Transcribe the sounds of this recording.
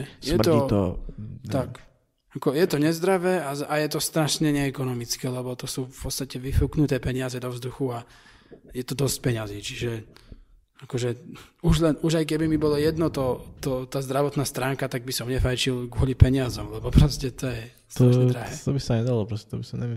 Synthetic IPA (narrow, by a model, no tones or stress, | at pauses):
sjɛmt̪ɔit̪ɔ̰t̪ak | akɔjɛt̪ɔɲɛzd̪ɾaʋɛːaajɛt̪ɔst̪ɾaʃɲɛɲɛːkɔnɔmit͡skɛːlɛbɔt̪ɔsuːfpɔt̪t͡st̪acɛʋifuknut̪ɛːpɛɲɪazɛd̪ɔvzd̪uxua | jɛt̪ɔd̪ɔsc̚pɛɲazit͡ʃiʒɛ | akɔʒɛuʒlɛnuʒajk̬ɛbimibɔlɔjɛd̪nɔt̪ɔt̪ɔt̪aːzd̪ɾaʋɔt̪naːst̪ɾaːŋkat̪aɡ̚bisɔmɲɛfajt͡ʃilɡʊɔlipɛɲɪazɔmlɛbɔpɾɔscɛt̪ɔjɛ | st̪aʃɲɛd̪ɾaɦɛːt̪ɔbisaɲɛd̪alɔpɾɔscɛt̪ɔbisaɲɛ